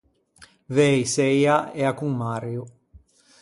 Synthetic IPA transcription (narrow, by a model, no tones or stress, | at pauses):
vɛjsɛjaɛakuŋmarju